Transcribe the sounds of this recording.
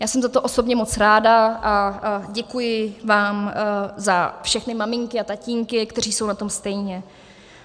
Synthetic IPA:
jaːsɛmzat̪o̞ʔo̞so̞bɲɛmo̞t͡sɾaːdaʔaɟɛkujɪvaːmzafʃɛxnɪmamɪŋkɪat̪aciːŋkɪkt̪ɛr̝iːso̞wnat̪o̞mst̪ɛjɲɛ

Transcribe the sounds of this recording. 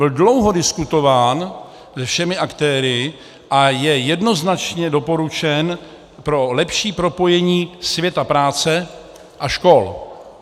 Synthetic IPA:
ɪldlo̞wɦo̞dɪskut̪o̞vaːn | sɛfʃɛmɪʔakt̪ɛːɾɪ | ʔajɛjɛdno̞znat͡ʃɲɛdo̞po̞ɾut͡ʃɛn | pɾo̞lɛpʃiːpɾo̞po̞jɛɲiːsvjɛt̪apɾaːt͡sɛ | ʔaʃko̞l

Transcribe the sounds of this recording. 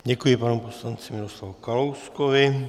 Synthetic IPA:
ɟɛkujɛpanɔmpɔslant͡simiɾɔslaʋukalɔwskɔʋi

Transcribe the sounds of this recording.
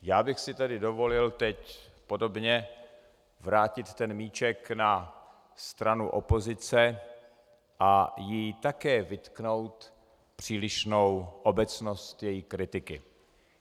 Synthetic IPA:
jaːbɪxsɪt̪adɪdo̞vo̞lɪlt̪ɛcpo̞do̞bɲɛ | vɾaːcɪt̪t̪ɛnmiːt͡ʃɛkna | st̪ɾanṵʔo̞po̞zɪt͡sɛ | ʔajiːt̪akɛːvɪt̪kno̞wt̪ | pr̝̥iːlɪʃno̞wʔobɛt͡sno̞st̪jɛjikɾɪt̪ɪkɪ

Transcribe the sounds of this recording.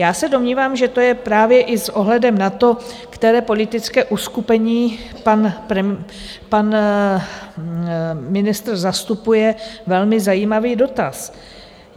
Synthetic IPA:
jaːsɛdo̞mɲiːvaːmʒɛt̪o̞jɛpɾaːvjɛʔɪsʔo̞ɦlɛdɛmnat̪o̞ | kt̪ɛɾɛːpo̞lɪt̪ɪt͡skɛːʔuskupɛɲiː | panpɾ | pan | mɪnɪst̪rzast̪upujɛvɛlmɪzajiːmaviːdo̞t̪as

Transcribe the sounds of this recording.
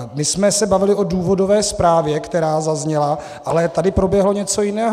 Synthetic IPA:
mɪsmɛsɛbavɪlɪʔo̞duːvo̞do̞vɛːspɾaːvjɛkt̪ɛɾaːzazɲɛla | ʔalɛt̪adɪpɾo̞bjɛɦlo̞ɲɛt͡so̞jɪnɛːɦ

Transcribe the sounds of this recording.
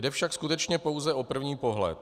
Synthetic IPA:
dɛfʃakskut̪ɛt͡ʃɲɛpo̞wzɛʔo̞pr̩vɲiːpo̞ɦlɛ̰t̪̚

